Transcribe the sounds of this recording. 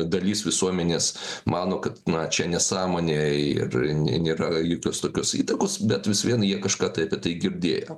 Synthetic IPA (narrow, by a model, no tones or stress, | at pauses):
d̪ɐlʲiːsʋʲɪsuɔmʲɛnʲeːsmɑːnoːkɐt̪nɐt͡ʃʲɛnʲɛsɑːmoːnʲeːɪ̰rnʲɛnʲeːɾɐjoːkʲoːst̪oːkʲosiːt̪ɐkoːsbʲɛt̪ʋʲɪsʋʲiɛnjiɛkɐʃkɑːt̪ɐɪɐpʲiɛt̪ɐɪɡʲɪɾʲd̪ʲḛːjɛ